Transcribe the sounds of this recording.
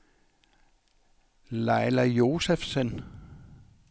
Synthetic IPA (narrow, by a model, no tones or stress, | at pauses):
lɑ̈ɪlæjo̝ːsefsən